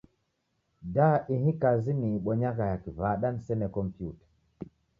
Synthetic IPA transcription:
daʔiɦĩkaziniɓɔɲakajakivaɗansɛnɛkɔmpjutḁ

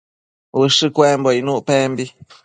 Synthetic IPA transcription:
wɨʂɨkwemboinuʔpembi

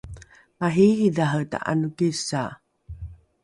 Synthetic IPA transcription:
maɦihiðaɦəta̰ʔa̰nukisa

